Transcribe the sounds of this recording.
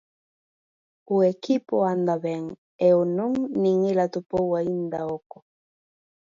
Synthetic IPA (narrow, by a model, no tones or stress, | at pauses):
uɛkipoand̪aβɛŋ | ɛonuŋniŋelat̪upɔwaind̪aɔkɔ